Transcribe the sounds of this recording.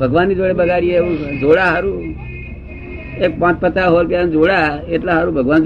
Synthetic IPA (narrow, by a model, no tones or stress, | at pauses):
bʱəɡʋanːid͡ʒoɽebəɡʱaɾieeũd͡ʒoɽaɦaɾũ | ek̚pãt͡ʃpət̪aɦoɾpjand͡ʒoɽaeʈlaɦaɾũbʱəɡʋand͡ʒ